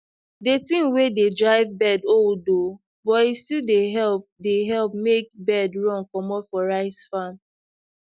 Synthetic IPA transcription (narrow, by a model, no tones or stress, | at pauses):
detĩmwededɹaɪvbɛdoldo | bɔtistildeɦɛlp̚deɦɛlp̚mekbɛdɹɔ̃ŋkɔmɔ̃nfɔɹaɪsfãn